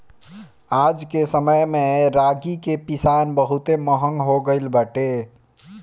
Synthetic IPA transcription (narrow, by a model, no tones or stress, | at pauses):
ad͡ʒkesəməjmeɾaɡikepisanbəɦut̪eməɦəŋɡɦoɡəɪlbaʈe